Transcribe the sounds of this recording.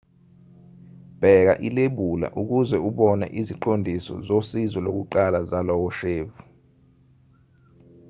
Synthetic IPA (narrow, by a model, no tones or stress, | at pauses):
b̥ʱɛk̬a̰ʔileɓula̰ʔuk̬uzɛuɓɔna̰ʔiziǃondʱisɔ̰zosizɔlok̬uǃalazalɔwɔʃeːvu